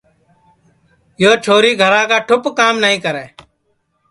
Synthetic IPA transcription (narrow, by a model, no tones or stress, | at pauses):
joːt͡ʃʰoːɾiːɡʱəɾãːkaːʈʰʊpkaːmnəɦĩːkəɾeː